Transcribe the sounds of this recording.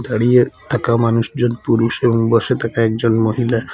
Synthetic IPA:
t̪aɽijet̪ʰəkamanusd͡zɔnpuɾuseuŋbɔset̪ʰəkaek̚d͡zɔnmɔɦila

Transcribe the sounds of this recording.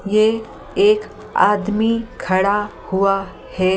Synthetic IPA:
je | eːk | aːd̪mikʰɐɽahʊa | hɛː

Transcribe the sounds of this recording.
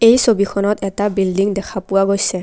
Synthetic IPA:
ejsobikʰɔnɔtɛtabildiŋdɛkʰapuwaɡojsɛ

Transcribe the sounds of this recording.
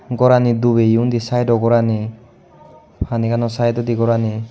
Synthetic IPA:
ɡɔɾanid̪ubejund̪isajdɔɡɔɾani | pʰanikanɔsajd̪ɔd̪iɡɔɾani

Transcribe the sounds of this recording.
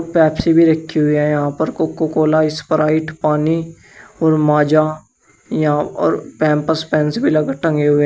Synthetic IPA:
pɛːpsibʱiɾəkʰːiɦʊiɦɛ̃jəɦãːpəɾkokokoːlaːɪspəɾaːɪʈpaːni | ɔːɾmaːd͡ʒaː | jɦãɔ̰ːɾpɛ̃ːmpəspɛ̃ːnsbʱiləɡəʈə̃ŋɡeɦʊe

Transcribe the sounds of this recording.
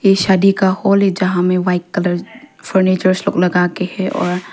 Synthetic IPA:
jeːʃaːd̪ikahoːld͡ʒɐɦãmẽʋaːɪkːɐləɾfəɾniːt͡ʃəɾslo̰ːɡlɐɡaːkehɛ̃ɔːɾ

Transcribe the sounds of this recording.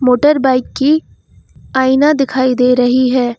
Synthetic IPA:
moːʈəɾbaːɪkːi | aːinad̪ɪkʰaːid̪eːɾɐɦiɦɛː

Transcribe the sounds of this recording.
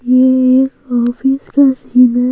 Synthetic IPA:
jeeːkɔːfiskesiːna

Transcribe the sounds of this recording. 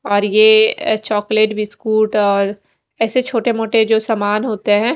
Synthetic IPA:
ɔːɾjet͡ʃɔːkleːʈʋiskuːʈɔːɾ | ɛːset͡ʃʰoːʈemoːʈed͡ʒoːsaːmaːnɦoːt̪eɦɛ̃ː

